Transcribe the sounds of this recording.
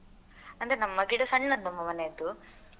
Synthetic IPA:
ɐnd̪ɐɾenɐmːɐɡiɽɐsɐɳːɐd̪nɐmːɐmɐnet̪u

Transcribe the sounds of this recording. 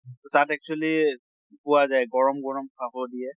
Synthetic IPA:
totatɛk̚t͡ʃuali | pʊwazajɡɔɹɔmɡɔɹɔmkʰaɦɔdijɛ

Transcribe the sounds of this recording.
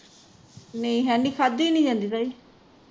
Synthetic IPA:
neĩɦɛːniːkʰaːd̪ːiːnĩːd͡ʒãːnd̪iːt̪aːiː

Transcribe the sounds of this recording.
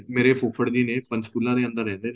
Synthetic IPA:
meːɾepʊfʰəɽd̪iːneːpənskuːlãːd̪eːə̃nd̪əɾːɛ̃ːnd̪eː

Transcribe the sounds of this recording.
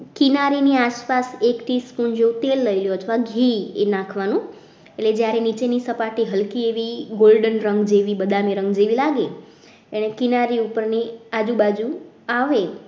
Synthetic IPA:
kinaɾiniaʃpasekʈispund͡ʒeũt̪elːəiljoət̪ʰʋaɡʱiḛnãkʰʋanũ | eʈled͡ʒjaɾenit͡ʃenisəpaʈiɦəlkieʋiɡolɖənɾəŋɡd͡ʒeʋibəd̪ameɾə̃ŋɡd͡ʒeʋilaɡe | eñekinaɾiupəɾnead͡ʒubad͡ʒu | aʋe

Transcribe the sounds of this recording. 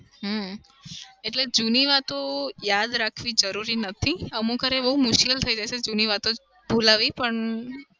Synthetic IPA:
ɦ | eʈled͡ʒuniʋat̪ojad̪ɾakʰʋid͡ʒəɾuɾinət̪ʰiəmũkəɾebəɦumʊʃkilt̪ʰəid͡ʒajt͡ʃʰed͡ʒuniʋat̪o | bʱulaʋipəɳ

